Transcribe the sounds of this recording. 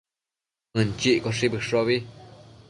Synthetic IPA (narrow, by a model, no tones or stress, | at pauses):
ɨnt͡ʃiʔkoʂibɨʂoβi